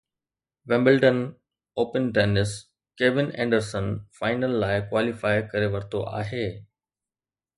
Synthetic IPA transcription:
ʋɛ̃mbɪlʈən | oːpənʈeːnɪs | keːʋɪnɛ̰̃ːɳɖəɾsənfaːɪnəlːaːɪkwaːlifaːɪkɐɾeʋɐɾt̪oʔa̰ːɦeː

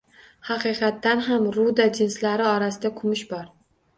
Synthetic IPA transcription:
hɑqʰɨqʰɑt̪ːanɦamɾud̪ad͡ʒɪnslaɾɪɒɾasɪd̪akʰʊmɪʃbɒɾ

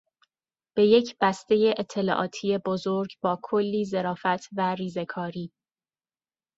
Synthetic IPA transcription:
b̥e̞je̞cʰb̥æst̪e̞je̞ʔet̪ʰːe̞lɒ̰ːʔɒ̰ːt̪ʰiːe̞bozoɾɟbɒːkʰolːiːze̞ɾɒːfæt̪ʰværiːze̞kʰɒːɾiː

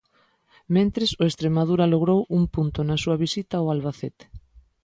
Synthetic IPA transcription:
mẽnt̪ɾesoest̪ɾemað̞uɾɐloɣ̞ɾowuŋpunt̪onasuɐβisit̪aoalβaθet̪e̥

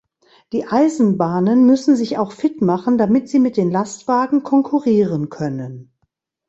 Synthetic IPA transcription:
d̥iːʔaɪzn̩baːnənmʏsn̩zɪçaʊxfɪtmaχn̩damɪtz̥iːmɪt̚d̥eːnlastv̥aːɡŋ̩kʰɔŋkʰuʁiːʁənkʰœnən

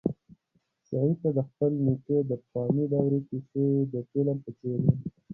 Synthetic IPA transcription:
sɑit̪ad̪əxpəlniked̪əpxɑːmiɖawɾepixed̪əpelampət͡ʃeɾen

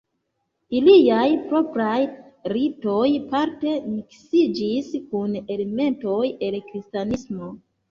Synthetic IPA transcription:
iliajpɾo̞pɾajɾito̞jpaɾte̞miksid͡ʒiskune̞leme̞nto̞je̞lkɾistanismo̞

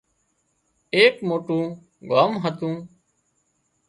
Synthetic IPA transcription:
eːkmoːʈũː | ɡaːmɦət̪ũː

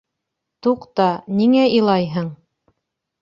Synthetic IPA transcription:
t̪uqt̪ɑniŋæilˠɑjɦɤɴ

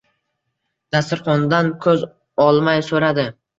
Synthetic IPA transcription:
d̪̥asɪɾχɒnd̪ankʰɵz | ɒlˠmajsɵɾad̪ɪ

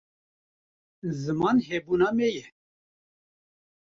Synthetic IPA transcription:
zɨmɑnɦɛbuːnɑmɛjɛ

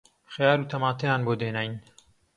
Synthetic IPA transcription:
xjaːɾuːt̪ʰɐmaːt̪ʰɐjaːnboːd̪eːnaːjn

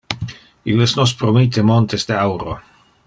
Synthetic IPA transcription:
ilesnospɾomit̪emont̪ezd̪eawɾo̰

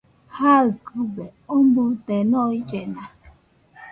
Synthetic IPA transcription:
haɯkɨbeombut̪enɔ̃id͡ʒenã

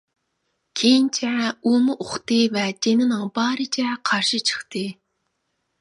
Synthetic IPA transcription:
kʲʰejint͡ʃʰɛumɨʔoχt̪ɨvɛd͡ʒenɪnɨŋbɑːɾɨt͡ʃʰɛqʰɑɾʃɨt͡ʃʰə̥χt̪ʰɨ

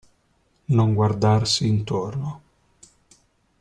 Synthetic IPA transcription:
noŋɡward̪arsiːnt̪orno

